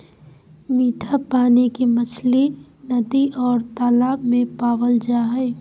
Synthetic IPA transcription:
miːʈʰapaːnikimət͡ʃʰlinəd̪iʔɔːɾt̪aːlaːbmẽpaːʋəld͡ʒaːɦɛɪ

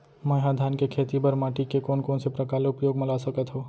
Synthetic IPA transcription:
məɦãd̪ʱaːnkekʰeːt̪ibəɾmaːʈikekoːnkoːnsepɾəkaːlʊpjoːɡməlasəkət̪ɦoː

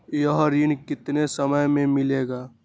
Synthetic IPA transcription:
jəɦɾinkɪt̪nesəməjmẽmɪleːɡaː

